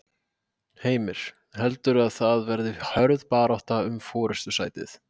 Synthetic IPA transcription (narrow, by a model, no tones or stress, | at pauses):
heːjmɪɾ̥ | hɛlt̪ʏɾaðθaðvɛɾðɪhœɾðpaːɾawht̪aʏmfɔːɾɛst̪ʏsaːjt̪ɪ̰θ